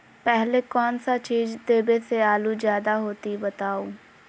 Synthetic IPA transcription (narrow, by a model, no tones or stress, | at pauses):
pɛɦlekɔːnsat͡ʃiːzd̪eːbeseaːluzjaːd̪aɦoːt̪ibɐt̪aːo